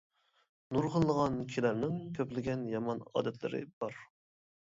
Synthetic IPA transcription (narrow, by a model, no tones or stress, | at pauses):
nuɾʁəlˠːəʁɑnkʲʰilæɾnɪŋkʲʰøplɪɡʲɛnjɑmɑnɑ̰ːd̪ɛt̪ʰlɪ̰ɾɪ̰b̥ɑɾ